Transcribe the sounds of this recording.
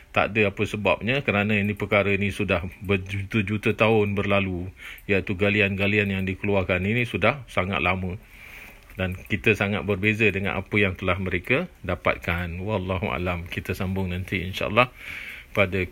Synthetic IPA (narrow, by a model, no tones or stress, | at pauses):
t̪a̰ʔdəapəsəbap̚ɲakəɾanə̃inĩpəkaɾəinisudahbəd͡ʒut̪əd͡ʒut̪at̪aʊnbərlalujait̪uɡalianɡalianjaŋdikəluarkaninĩsudahsaŋa̰t̪lamə̃ | dankit̪əsaŋat̪̚bərbezədəŋa̰nʔa̰pəjaŋt̪əlahməɾekədapa̰t̪̚kanwalːaɦuʔa̰lamkit̪əsambʊŋnãnt̪iḭnʃa̰ʔə̰lːɑhpadə